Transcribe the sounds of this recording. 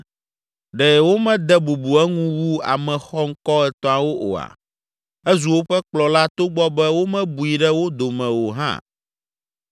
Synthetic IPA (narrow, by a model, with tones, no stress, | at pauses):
ɖɛ˨wo˦mɛ̃˦d̪ɛ˦bu˨bu˨ɛ˦ŋũ˦wu˦a̰˨mɛ̃˨xɔ˦ŋ̩˦kɔ˦ɛ˨t̪ɔ̃˦a˨wo˦ʔo̰˨a̰˨ | ɛ˦zu˨wo˦ɸɛ˦k͡plɔ˨la˦t̪o˦ɡ͡bɔ˦bɛ˦wo˦mɛ̃˦bu˨i˨ɖɛ˦wo˦d̪o˨mɛ̃˨wo˨ɦã̰˦˨